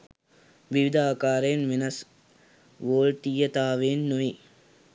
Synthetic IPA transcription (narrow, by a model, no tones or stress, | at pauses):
ʋiʋɪd̪ʱaːkaːɾeːnʋɪnɐs | ʋoːɻt̪ijɐt̪aːʋeːnːoj